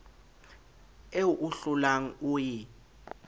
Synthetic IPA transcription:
eʔuɬulaŋ̩uji

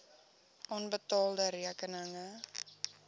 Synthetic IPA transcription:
ɔnbət̪ɔld̪aɾiakənaŋa

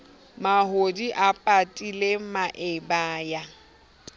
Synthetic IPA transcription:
maɦodiʔapʼatʼilemaʔɪbaːja

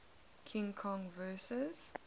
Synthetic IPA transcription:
kʰɪ̃ŋkʰɔ̃ŋvɜːsəz̥

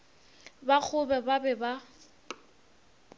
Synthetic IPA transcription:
bak͡xʰʊbɛbabɛba

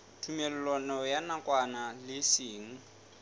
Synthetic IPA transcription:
tʰumɛlɛlɔnɔjanakʼwanalɪsiːŋ̩

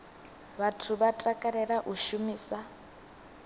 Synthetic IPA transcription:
βatʰuβatʼakʼaɾɛɺaʔuʃumiːsa

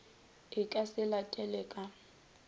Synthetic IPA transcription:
ɪkʼasɪlatʼɛlɛkʼa

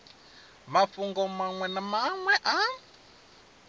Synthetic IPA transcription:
mafuŋɡɔmaŋwɛnamaŋwɛʔa

